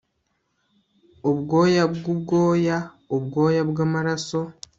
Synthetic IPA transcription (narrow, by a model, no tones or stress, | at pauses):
oβɡo̞ːjabɡubɡo̞ːja | obɡo̞ːjabɡaːmaɾaso̞